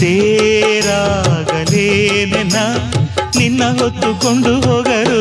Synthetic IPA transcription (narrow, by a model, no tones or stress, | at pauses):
eːɾaːɡɐlenenːɐninːɐɦot̪ːukoɳɖuɦoːɡɐɾu